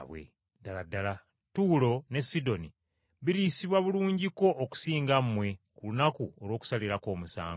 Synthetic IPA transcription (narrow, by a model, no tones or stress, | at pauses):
βwḛ | daladala | tuːlo̞ne̞sido̞ni | βiɾiːsiβwaβuluːɲɟiko̞ʔːku̥siːŋɡamːwe̞kulunakuolwo̞ːku̥saliɾako̞ːmusa̰ːŋo